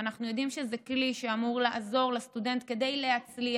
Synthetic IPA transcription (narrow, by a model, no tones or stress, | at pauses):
anaχnujo̞d̪imʃe̞zekliʃeamuʁlaʔazo̞ʁlast̪ude̞nt̪̚ke̞d̪ejleat͡sli